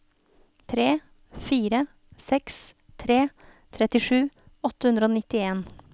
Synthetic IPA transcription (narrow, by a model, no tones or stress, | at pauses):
t̪ʰɾeː | fiːɾə | sɛks | t̪ʰɾeː | t̪ʰɾɛt̪ɪʂʉː | ɔt̪əhʉnd̪ɾəoːnɪt̪ɪeːn